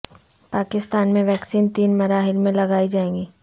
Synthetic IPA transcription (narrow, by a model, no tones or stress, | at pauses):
paːkɪst̪aːnmẽʋɛːksiːnt̪iːnmɐɾaːɦɪlmẽlɐɡaːid͡ʒaːẽːŋɡiː